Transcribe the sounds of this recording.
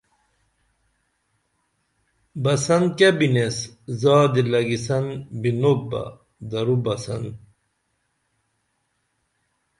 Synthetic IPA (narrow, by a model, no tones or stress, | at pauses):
bɐsɐnd̪̚kabineszaːd̪ilɐɡisɐnbinobɐ̰ | d̪ɐɾubɐsɐnd̪